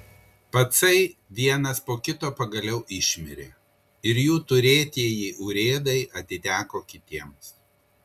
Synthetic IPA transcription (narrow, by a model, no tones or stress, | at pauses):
pɐt̪sɐɪʋʲiɛnɐspoːkʲɪt̪oːpɐɡɐlʲɛʊʔɪʃʲmʲɪɾʲḛː | ɪɾjuːt̪ʊɾʲeːt̪ʲiɛjiːʔʊːɾʲeːd̪ɐɪɐt̪ʲɪt̪ʲæːkoːkʲɪt̪ʲiɛms